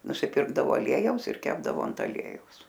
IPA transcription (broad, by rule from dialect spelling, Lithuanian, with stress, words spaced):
nʊsʲɪˈpʲɪrɡdɐʋoː ɐˈlʲiɛjɛʊs ɪr ˈkʲæːbdɐʋoː ɐnt ɐˈlʲiɛjɛʊs